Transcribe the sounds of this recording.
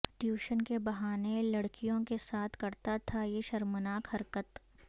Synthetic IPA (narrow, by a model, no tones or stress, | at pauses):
ʈjuːʃənkebɐɦaːnelɐɽkijõkesaːt̪ʰkɐɾt̪at̪ʰajeʃɐɾmənaːkhɐɾkət̪